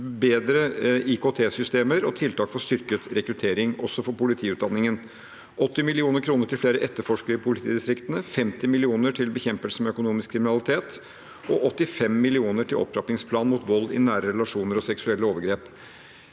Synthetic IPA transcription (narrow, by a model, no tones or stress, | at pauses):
beːd̪ɾəɪkot̪ʰeːsʏst̪eːməɾɔt̪ʰɪlt̪ʰɑːkfɔst̪ʏɾkət̪ɾɛkɾʉt̪ʰeːɾɪŋɔsːɔfɔɾpʊlɪt̪ʰiːʉːt̪̚d̪ɑnːɪŋən | ʔɔt̪ːɪmɪlɪuːnəɾkʰɾuːnəʈʰɪlfleːɾəʔɛt̪ːəɾfɔʂkəɾəɪpʰʊlɪt̪ʰiːd̪ɪst̪ɾɪkt̪ənəfɛmt̪ɪmɪlɪuːnəʈʰɪlbəçɛmpəlsəmɛœkʊnuːmɪskʰːɾɪmɪnɑlɪt̪ʰeːt̪ | ɔʔɔt̪ːɪfɛmːɪlɪuːnəʈʰɪlʔɔ̰pːɾɑpnɪŋspʰlɑːnmuːt̪ʋɔlːɪ̰næːɾəɾɛlɑʂuːnəɾɔsɛksʉɛlːəoːʋəɾɡɾeːp